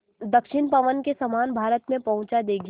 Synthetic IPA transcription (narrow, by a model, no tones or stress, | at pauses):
d̪ɐkʃɪnpɐʋənkesɐmaːnbʱaːɾət̪mẽpɐɦʊ̃t͡ʃad̪eːɡ